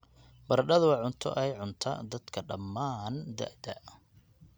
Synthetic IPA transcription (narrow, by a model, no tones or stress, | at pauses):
bɐɾɖɐðʊwɑʕʊnt̪ʰɔ̰ʔɛjʕʊnt̪ʰɐ̰d̪ɐd̪kʰɐɖɐmːaːnd̪ɐ̰ʔd̪ɐ